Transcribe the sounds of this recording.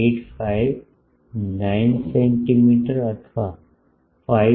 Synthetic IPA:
eːʈpaiʋ | naɪnsẽɳʈimiːʈəɾɐt̪ʰʋa | fa

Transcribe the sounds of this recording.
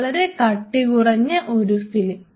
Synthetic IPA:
ɭɐɾekɐʈːikurɐɲːɐʔo̞ɾufilm

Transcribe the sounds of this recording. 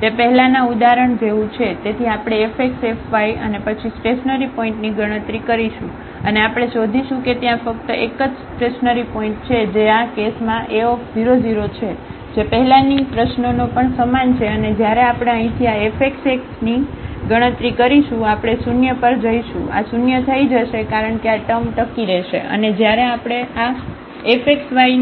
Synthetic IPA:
t̪epəɦɛlanãud̪aɾəɳd͡ʒeʋũt͡ʃʰet̪et̪ʰiapɽ̃eːfʰeksefʰʋajənepət͡ʃʰisʈeʃnəɾipoĩɳʈniɡəɽ̃ə̃t̪ɾikəɾiʃũ | əneapɽ̃eʃod̪ʱiʃũket̪jãfək̚t̪əʔekəd͡ʒsʈeʃnəɾipoĩɳʈ̚t͡ʃʰed͡ʒeakesmãʔeokbiɾod͡ʒiɾot͡ʃʰe | d͡ʒepəɦɛlãnipɾəʃnonopəɳsəmant͡ʃʰeəned͡ʒjaɾeapɽ̃eə̃ɦĩt̪ʰiaefʰekseksniɡəɽ̃ə̃t̪ɾikəɾiʃũapɽ̃esunjəpəɾd͡ʒəiʃṵ̃a̰sunjət̪ʰəid͡ʒəʃekaɾəɳkeaʈəmʈəkiɾɛʃḛʔə̰ned͡ʒjaɾeapɽ̃ea | efʰeksʋai

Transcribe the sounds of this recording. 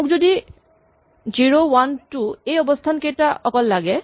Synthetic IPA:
uk̚zodi | ziɹowantuejɔbost̪ʰankejtaɔkɔlːaɡɛ

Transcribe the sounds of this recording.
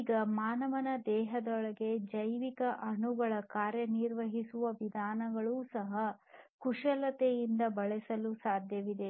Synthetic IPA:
iːɡɐmaːnɐʋɐnɐd̪ɛːɦɐd̪ɔɭɐɡe̞d͡ʒɐjʋikɐʔɐɳuɡɐɭɐkaːɾjɐniɾʋɐɦisuʋɐʋid̪ʱaːnɐɡɐɭuːsɐɦɐ | kuʂɐlɐt̪ejind̪ɐbɐɭɛsɐlusaːd̪ʱjɐʋid̪e̞

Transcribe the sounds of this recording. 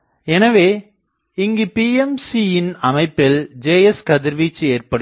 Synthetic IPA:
ɛnɐʋeː | ɪŋɡepiːɛmsijɪnɐmɐɪpːɪld͡ʒeːjɛskɐðɪɾʋiːt͡ʃːeːrpɐɽɯ

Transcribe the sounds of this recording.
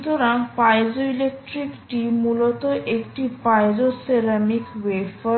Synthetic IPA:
t̪oɾaŋpajzoilek̚ʈɾikʈimulɔt̪ɔʔekʈipajzoseɾamikʋepə

